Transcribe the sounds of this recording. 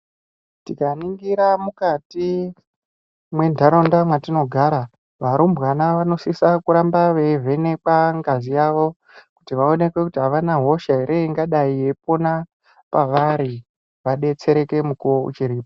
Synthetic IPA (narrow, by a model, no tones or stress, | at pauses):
tikaniŋɡiɾamukati | mwe̞ndʱaɾo̞ndamwatino̞ɡʱaɾa | ʋaɾumbɣanaʋano̞sisakuɾambaʋe̞ve̞ne̞kaŋɡazijaʋo̞ | ku̥tiʋao̞ne̞kwe̞kutiɦaʋanaɦo̞ʃaiɾeiŋɡaɗaije̞p̚o̞na | paʋaɾi | ʋaɗe̞t͡se̞ɾe̞ke̞mukuwoṵt͡ʃiɾiːpo